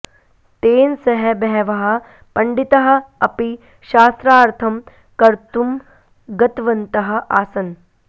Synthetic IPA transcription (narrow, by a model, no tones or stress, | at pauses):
t̪eːnsɐɦɐbɛɦɛʋɐɦɐ | pɐɳɖit̪ɐɦɐ̆ɐpi | ʃaːst̪ɾaːɾt̪ʰɐm | kɐɾt̪um | ɡɐt̪ʋɐnt̪ɐɦɐ̆ʔaːsɐn